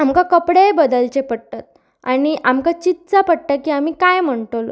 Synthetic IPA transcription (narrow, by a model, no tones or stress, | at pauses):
amkakəpɽebəd̪əlt͡ɕepəɽt̪at̪̚ | aɽ̃iʔamkat͡ɕit̪̚t͡sapəɽʈ̪akiːam̤iːkajm̤əɳʈ̪olo